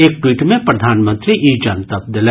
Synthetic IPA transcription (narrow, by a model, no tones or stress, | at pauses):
eːk̚ʈwiːʈ̪mẽpɾɐd̪ʱaːnmə̃nt̪ɾiʔiːd͡ʒɐnt̪əp̚d̪ɪl